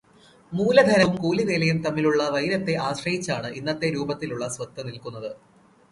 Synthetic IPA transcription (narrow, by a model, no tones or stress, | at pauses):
muːlɐd̪ʱɐɾɐumkuːliʋeːlɐjumt̪ɐmːiluɭːɐʋɐjiɾɐt̪ːe̞ʔaːɕrɐjit͡ɕːaːɳɨʔinːɐt̪ːe̞ɾuːbɐt̪ːiluɭːɐsʋɐt̪ːɐnilkunːɐðɨ